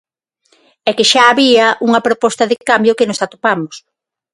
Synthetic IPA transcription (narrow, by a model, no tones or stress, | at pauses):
ɛkeʃaːβiɐʔuŋɐpɾopɔst̪ɐðɪkambjokenʊsat̪opamʊs